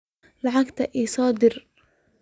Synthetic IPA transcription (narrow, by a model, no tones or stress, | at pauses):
laʕakt̪aʔisˤɑːd̪ɪɾ